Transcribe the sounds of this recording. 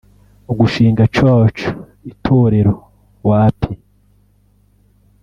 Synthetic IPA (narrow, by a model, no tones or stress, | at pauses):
uɡuʃiːŋɡat͡ʃoːt͡ʃu̥ | itʰoːɾeɾo | waːpʰi